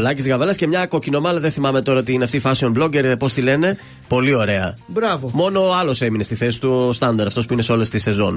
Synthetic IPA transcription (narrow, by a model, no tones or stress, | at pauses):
lɐcizɣɐvɐlɐsce̞mɲɐko̞cino̞mɐlɐðeθimɐme̞t̪o̞ɾɐot̪iineɐft̪iːfɐsiomblo̞ɟe̞ɾðepo̞st̪ile̞ne̞ | po̞lio̞ɾe̞ɐ̰bɾɐvomo̞no̞ɐlo̞se̞minest̪iθe̞si̥t̪ust̪ɐnd̪ɐɾɐft̪o̞spuine̞seo̞le̞st̪ise̞zo̞̰n